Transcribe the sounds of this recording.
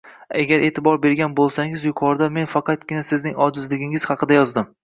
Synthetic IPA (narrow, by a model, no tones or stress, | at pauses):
aɡʲaɾʔe̞ːt̪ʰɪbɒɾbe̞ɾɡʲanbolˠsaŋɪzjʊqʰɒɾd̪ame̞nfɑqɑt̪̚ɡʲɪnasɪznɪŋɒd͡ʒɪzlɪɡʲɪŋɪz̥hɑqʰɨd̪ajɒzd̪ɪm